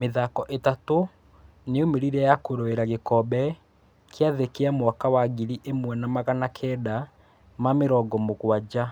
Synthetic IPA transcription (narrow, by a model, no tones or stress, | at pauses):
meðakɔʔetato | neomeɾiɾɛjakoɾoeɾaɣekɔbɛ | kjaðekeamwakawaɣiɾiʔemwɛnamaɣanakʰɛːda | mameɾɔːɡɔmoɣwad͡ʑa